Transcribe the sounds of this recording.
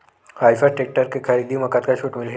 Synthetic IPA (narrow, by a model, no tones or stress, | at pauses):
hajfaʈek̚ʈəɾkekʰaɾid̪iməkat̪kaɕuːʈmilɦe